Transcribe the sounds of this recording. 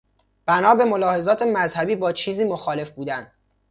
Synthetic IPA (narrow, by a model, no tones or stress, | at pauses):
b̥ænɒːbe̞molɒːhe̞zɒːt̪ʰemæzhæbiːbɒːt͡ʃʰiːziːmoxɒːle̞fbuːd̪ænd̪